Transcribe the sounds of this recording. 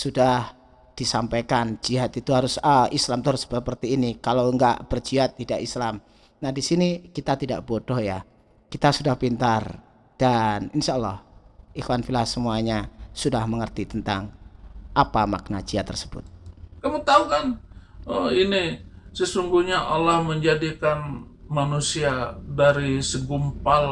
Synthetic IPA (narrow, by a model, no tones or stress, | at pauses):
sudah | d̥isampajkand͡ʒiɦat̪it̪uɦaɾʊsəislamt̪uɾsə̥əpərt̪iːnikalowəŋɡa̰ʔb̥ərd͡ʒiɦat̪ːidaʔislam | nahdisinikit̪at̪ida̰ʔb̥odɔhja | kit̪asudahpint̪ar | d̥aninʃaəlːɔ̰hʔixwanfilasəmuaɲasudahməŋərt̪it̪ənt̪aŋʔapama̰k̚nat͡ʃiat̪ərsəbʊ̰t̪̚kamut̪aukanəinisəsuŋɡuɲaʔalahməɲd͡ʒadikan | manusiadaɾisəɡumpal